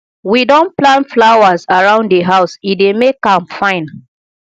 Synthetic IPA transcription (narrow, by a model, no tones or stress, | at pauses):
widɔ̃nplãnflawazaɹãʊ̃nddeɦaʊsidemekãmfãɪ̃n